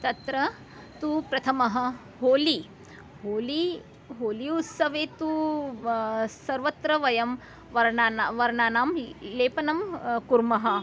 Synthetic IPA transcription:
t̪ɐt̪ɾɐ | t̪upɾɐt̪ʰɐmɐɦɐ̆ | ɦoːli | ɦoːli | ɦoːliut̪sɐʋeːt̪u | sɐɾʋɐt̪ɾɐʋɐjɐm | ʋɐɾaːʋɐɾɳaːnaːmleːpɐnɐmkuɾmɐɦɐ̆

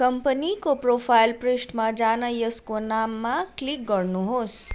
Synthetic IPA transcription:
kəmpənikopɾopʰajlpɾesʈmãd͡ʒanajəskonamːãklik̚ɡəɾnuɦos

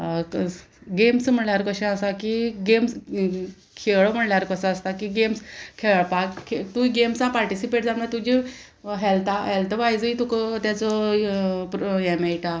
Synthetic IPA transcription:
ɡemsm̤əɽljaɾkəɕɛ̃əsakiɡems | kʰeɭm̤əɽljaɾkəsaəst̪akiɡemskʰeɭpakkʰet̪uiɡemsãpaɾʈisipeʈ̚d͡zamat̪ud͡ʑi | ɦɛlt̪aɦɛlt̪əʋajd͡zit̪ukt̪jat͡sɔ | pjɛmejʈa

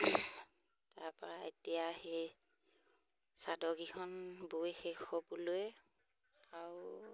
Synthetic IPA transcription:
taɹpɔɹaetijahej | sadɔɡikʰɔnbojxexɔbɔlʊjɛ | aɹ

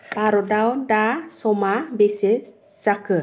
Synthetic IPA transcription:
paɾodawndasɔmabese | sakə

